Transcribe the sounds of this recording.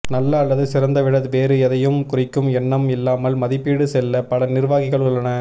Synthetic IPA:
nɐlːɐːlːɐðɯsɪɾɐnd̪ɐʋɪɽɐðʋeːɾɯɛðɐjɯmkʊrɪkːɯmɛnːɐmɪlːaːmɐlmɐðɪpːiːɽɯsɛlːɐpɐlɐnɪɾʋaːɣɪɣɐɭʊɭːɐnɐ

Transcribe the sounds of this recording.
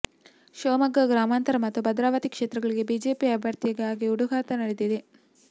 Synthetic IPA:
ʃoːmɐɡːɐɡɾaːmaːnt̪ɐɾɐmɐt̪ːubʱɐd̪ɾaːʋɐt̪ikʂeːt̪ɾɐɡɐɭiɡe̞biːd͡ʒeːpiɐbʱjɐɾt̪ijɐɡaːɡiuɽuɡaːt̪ɐnɐɽed̪id̪e

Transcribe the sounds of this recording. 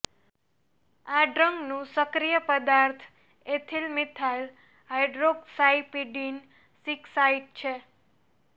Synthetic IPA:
aɖɾəŋɡnũsəkɾijəpəd̪aɾt̪ʰ | et̪ʰilmit̪ʰal | ɦajɖɾoɡsaipiɖin | siksaiʈ̚t͡ʃʰe

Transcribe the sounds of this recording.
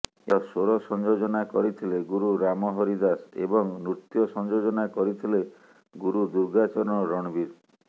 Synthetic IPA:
eɔsoɾɔsɔnd͡ʒod͡ʒɔnakɔɾit̪ʰileɡuɾuɾamɔɦɔɾid̪asḛbɔŋnɾut̪jɔsɔnd͡ʒod͡ʒɔnakɔɾit̪ʰile | ɡuɾud̪uɾɡat͡ʃɔɾɔɳɔɾɔɽ̃biɾ

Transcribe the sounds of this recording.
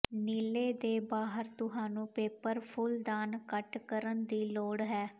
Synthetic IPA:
niːleːd̪eːbaːɦəɾt̪ʊɦaːnũːpeːpəɾpʰʊld̪aːnkəʈkəɾənd̪iːloːɽɦɛː

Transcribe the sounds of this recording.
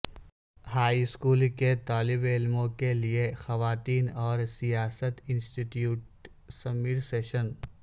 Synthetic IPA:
haːiɪskuːlket̪aːlɪbɪlmõkeliexɐʋaːt̪iːnɔːɾsijaːsət̪ɪ̃nsʈiʈjuːʈ̚ | sɐmiːɾseːʃən

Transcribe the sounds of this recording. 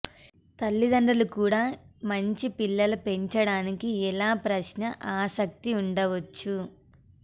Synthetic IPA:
t̪ɐlːid̪ɐɳɖɐlukuːɽaːmɐɲt͡ʃipilːɐlupe̞ɲt͡ʃɐɽaːnikiɛlaːpɾɐʃnɐʔaːsɐk̚t̪iuɳɖɐʋɐt͡ʃːu

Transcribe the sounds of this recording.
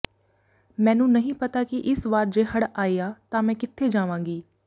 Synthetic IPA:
mɛ̃ːnũːnəɦĩːpət̪aːkɪʔɪsʋaːɾd͡ʒeːɦəɽaːiːaːt̪ãːmɛ̃ːkɪt̪ʰːeːd͡ʒaːʋãːŋɡiː

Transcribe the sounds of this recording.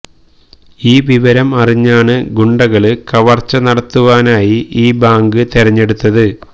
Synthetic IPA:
iːʋiʋɐɾɐmɐriɲːaːɳɨɡuɳɖɐɣɐɭɨkɐʋɐrt͡ɕːɐnɐɽɐt̪ːuʋaːnaːjiʔiːbaːŋɡɨt̪eɾɐɲːe̞ɽut̪ːɐðɨ

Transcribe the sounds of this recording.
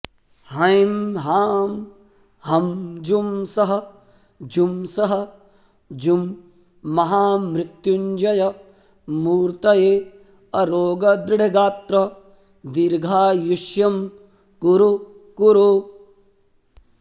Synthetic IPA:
hɐjmɦaːm | hɐmd͡ʒumsɐɦɐ̆ | d͡ʒumsɐɦɐ̆ | d͡ʒumː | ɐɦaːmɾɪt̪juɲd͡ʒɐjɐ | muːɾt̪ɐjeː | ɐɾoːɡɐd̪ɾɪɽʱɐɡaːt̪ɾɐ | d̪iɾɡʱaːjuʃjɐm | kuɾu | kuɾo

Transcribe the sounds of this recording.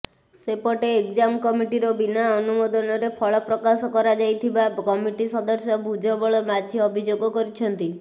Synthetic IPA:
sepɔʈeːkd͡ʒamkɔmiʈiɾɔbinaɔnumɔd̪ɔnɔɾepʰɔɭɔpɾɔkasɔkɔɾad͡ʒajt̪ʰibakɔmiʈisɔd̪ɔɾsjɔbʱud͡ʒʱɔbɔɭɔmad͡ʒʰiɔbʱid͡ʒoɡɔkɔɾit͡ʃʰɔnt̪i

